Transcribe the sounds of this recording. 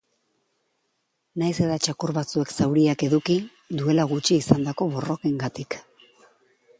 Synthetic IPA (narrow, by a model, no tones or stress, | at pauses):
najse̞ðat͡ʃakuɾβat͡sue̞ksawɾiake̞ðuki | d̪ue̞laɣut͡ʃiːsand̪ako̞βo̞ro̞keŋɡat̪ik